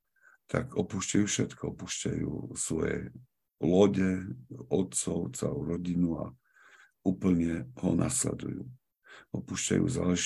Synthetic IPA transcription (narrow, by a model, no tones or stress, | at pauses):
t̪ʰakɔpuːʃcajuːfʃɛt̪kʰɔɔpuʃcajuːsʋɔjɛ̰ | lɔɟɛɔt̪t͡sɔʊt͡sɛluːɾɔɟinua | uːpl̩ɲɛɦɔnʔaslɛ̰d̪ṵjuː | ɔpuːʃca̰jṵːzaːlɛʒ